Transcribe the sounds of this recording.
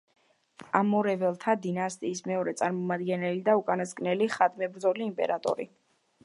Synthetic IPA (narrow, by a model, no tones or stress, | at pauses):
amɔɾɛvɛlˠt̪ʰad̪inast̪ʼiːsmɛɔɾɛt̪sʼaɾmɔmad̪ɡɛnɛlid̪aukʼanaskʼnɛliχad̪mɛbɾdzɔliːmpʼɛ̰ɾat̪ʼɔ̰ɾi